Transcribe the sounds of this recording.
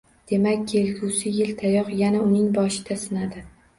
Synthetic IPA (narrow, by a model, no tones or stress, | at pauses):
d̪̥e̞makʲkʲʰːe̞lɡʲusɪjɪlt̪ʰajɒqjanaʊnɪŋbɒʃɪd̪̥asɪnad̪ɪ